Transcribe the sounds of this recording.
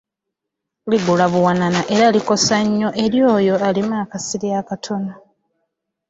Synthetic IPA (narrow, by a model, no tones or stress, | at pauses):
liɡulaβuwananaʔe̞ɾaliko̞saɲːo̞ʔe̞ɾjo̞ːjo̞alimakasiɾjakatʰo̞na